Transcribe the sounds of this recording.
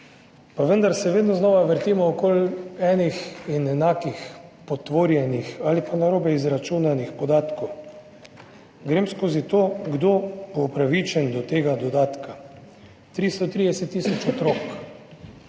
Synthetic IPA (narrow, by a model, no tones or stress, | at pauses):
paʋənd̪aɾsɛʋeːd̪nɔznɔːʋaʋəɾt̪iːmɔːkoːlɛːnixinɛnaːkixpɔt̪ʋoːɾjɛnixaːlipanaɾoːbɛizɾat͡ʃuːnanixpɔd̪aːt̪kɔw | ɡɾeːmskoːzit̪oːɡd̪oːboupɾaʋit͡ʃɛnd̪ɔt̪eːɡad̪ɔd̪aːt̪ka | t̪ɾist̪ɔt̪ɾid̪ɛsɛt̪ːiːsɔt͡ʃɔt̪ɾok